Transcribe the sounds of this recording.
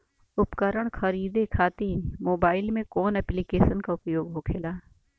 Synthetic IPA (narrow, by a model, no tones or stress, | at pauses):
ʊpkəɾəɽ̃kʰəɾiːd̪ekʰaːt̪imoːbaːɪlmẽkɔːnɛːplikeːʃənkaʊpjoːɡɦokʰeːlaː